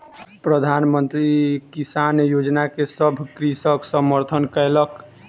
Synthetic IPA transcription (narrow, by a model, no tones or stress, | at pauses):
pɾəd̪ʱanmənt̪ɾikisanjod͡ʒnakesəbʱkɾisəksəməɾt̪ʰənkəjlək